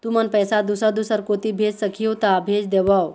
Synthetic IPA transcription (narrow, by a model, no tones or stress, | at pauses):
t̪umənpəjsad̪usəɾd̪usəɾkot̪ibʱed͡zsəkʰiot̪abʱed͡ʒd̪eʋaw